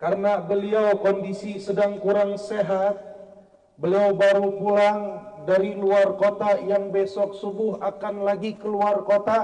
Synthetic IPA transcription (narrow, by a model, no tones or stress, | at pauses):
kaɾənabəliawkɔndisisədaŋkuɾaŋseɦat̪̚ | bəliawbaɾupulaŋdaɾiluarkot̪ajaŋbesɔk̚subʊɦakanlaɡikəluarkot̪a